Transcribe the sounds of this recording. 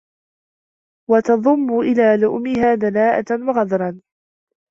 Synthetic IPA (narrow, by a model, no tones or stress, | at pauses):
wɑt̪ɑðˤʊmːʊʔɪlaːlʊʔmɪɦaːd̪anaːʔa̰t̪nwɑɣɑd̪ɾˤɑn